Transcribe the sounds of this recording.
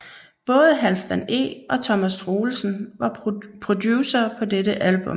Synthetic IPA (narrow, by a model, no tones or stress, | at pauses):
b̥ɔ̽ːð̞ˠəɦælsd̥æne̝̰ːʔɒ̽t͡sʰɒ̽mæsd̥ʁoːl̩sn̩ʋɑ̈pʰʁo̝d̥juːsɒpʰɒ̽d̥eɾəʔælb̥ɔ̽m